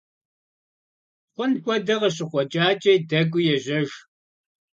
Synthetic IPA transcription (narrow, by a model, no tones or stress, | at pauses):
χʷʊnkʷʼɔdɐʁɐɕ̬ɪχʷɔt͡ʃʼaːt͡ʃʼejdɐɡʷʊjɛʑɐʒ